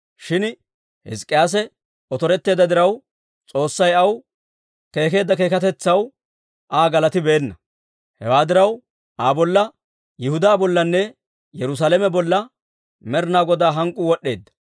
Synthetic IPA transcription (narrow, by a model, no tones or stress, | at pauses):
ʃɪn | hɪ̰skʼːɪjaːs̬ɛ | ɔt̪ɔɾɛt̪ːe̞ːd̪ɐd̪ɪɾɐw | t͡sʼo̞ːsːɐjɐw | ke̞ːke̞ːd̪ːɐke̞ːkɐt̪ɛt͡sːɐw | ʔaːɡɐlɐt̪ɪbeːnːɐ | hɛ̰waːd̪ɪɾɐw | ʔaːbɔlːɐ | jɪhʊd̪aːbɔlːɐnːɛ | jɛɾʊs̬aːlɛmɛbɔlːɐ | mɛɾnaːɡɔd̪aːɦɐŋkʼʊwɔɗːe̞ːd̪ːɐ̥